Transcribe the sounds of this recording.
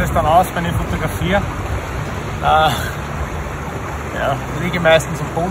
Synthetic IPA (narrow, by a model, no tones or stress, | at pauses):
əsd̥anaʊsfaɪnəfotoɡʁafiːə | ʔəː | jaː | liːɡəmaɪstn̩sʊfpoː